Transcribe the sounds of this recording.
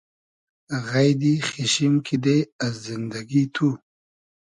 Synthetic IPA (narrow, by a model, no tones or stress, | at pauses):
ɣajd̪ixiʃimkʰid̪easzɪnd̪aɡit̪ʰu